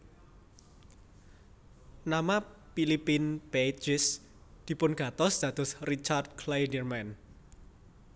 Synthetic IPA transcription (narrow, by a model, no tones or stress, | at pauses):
namapilipinb̥ed͡ʒɪs | d̪̥i̤pʊnɡ̥a̤t̪ɔsd̪̥ä̤d̪̥ɔ̤srit͡ʃard̪̚kʰlajdərmɛn